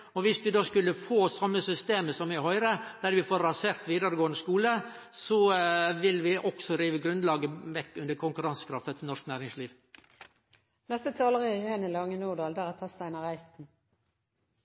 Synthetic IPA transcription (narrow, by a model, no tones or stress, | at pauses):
ɔʋɪsʋɪd̪oːskʉlːəfoːsɑmːəsʏst̪eːməsɔmʋɪhœʏɾəd̪̥æɾʋɪfoːɾɾɑseːɾt̪ʋiːd̪əɾəɡoːənəskuːlə | sɔʋɪlʋɪʔɔksɔɾiːʋəɡɾʉnd̪lɑːɡəʋɛkːʉnd̪əɾkʰʊŋkʉɾɑŋsə̥kʰɾɑft̪ət̪ʰɪnɔʂknæːɾɪŋsliːʋ | nɛst̪ət̪ʰɑːləʁəjɛnəlɑŋːənuːd̪ɑːld̪æʁɛt̪ʰɑst̪æɪnəʁæɪt̪n̩